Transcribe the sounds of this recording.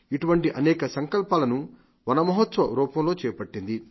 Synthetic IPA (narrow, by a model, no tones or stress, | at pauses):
iʈuʋɐɳʈiʔɐnɛːkɐsɐŋkɐlpaːlɐnu | ʋɐnɐmɐɦɐt̪sʋɐɾuːpɐmlo̞ːt͡ʃɛːjɐpɐʈːind̪i